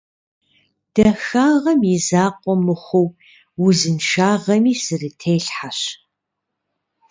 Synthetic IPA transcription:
d̥ɐxaːʁɐmɪzaːqʷʼɔmɨχʷʊw | wʊzɨnʃaːʁɐmiːsɨrɨtʰejɬħaɕ

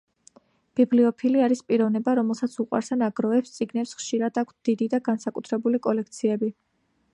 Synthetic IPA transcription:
b̥ibliɔpʰiliaɾispʼiɾɔvnɛbaɾɔmɛlˠsat̪sʰuqʼwa̰ɾsanaɡɾɔɛpst̪sʼiɡnɛpsχʃiɾad̪akʷʰsd̪̥id̪id̪aɡansakʼut̪ʰɾɛbulikʼɔlɛk̚ʰt̪sʰiɛbi

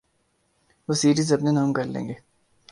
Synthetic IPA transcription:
ʋosiːɾiːzɐpnenaːmkɐɾlḛ̃ːŋɡeː

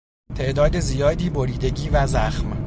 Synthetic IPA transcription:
t̪ʰe̞ʔd̪ɒːd̪ezijɒːd̪iːboɾiːd̪e̞ɟiːvæzæxm

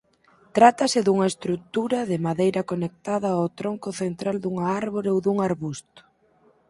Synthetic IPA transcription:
t̪ɾat̪ɐsɪðuŋɐest̪ɾut̪uɾɐðɪmaðejɾɐkonek̚t̪aðɐawt̪ɾoŋkʊθent̪ɾald̪uŋɐaɾβoɾowðuŋaɾβust̪ʊ̥

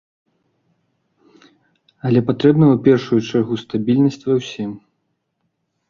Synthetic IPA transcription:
ɐlʲɛpat̪ɾɛbnɐwpʲɛrʂujut͡ʂarɣust̪abʲilʲnɐsʲt͡sʲvɐwsʲim

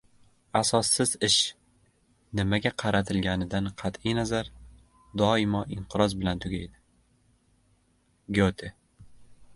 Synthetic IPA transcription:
asɒsːɪzɪʃ | nɪmaɡʲaqʰɑɾat̪ʰɪlɡʲanɪd̪anqʰɑt̪ɪjnazaɾ | d̪ɒɪmɒɪɴqʰɨɾɒzbɪlant̪ʰʊɡʲajd̪ɪ | ɡʲot̪ʰɪ

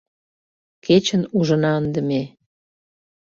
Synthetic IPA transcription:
ket͡ɕənuʒə̆nɑənd̪əme

